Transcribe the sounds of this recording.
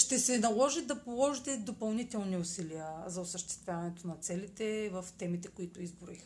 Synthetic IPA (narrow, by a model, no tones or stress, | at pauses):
ʃt̪ɛsɛnɐlˠɔʒɛd̪ɐpolˠɔʒit̪ɛd̪opɐlˠnit̪ɛlˠniʊsiliəzɐʊsəʃt̪ɛ̥st̪vʲjavɐnɛt̪onɐt̪sɛlit̪ɛvəft̪ɛmit̪ɛkʊit̪ʊizbʊix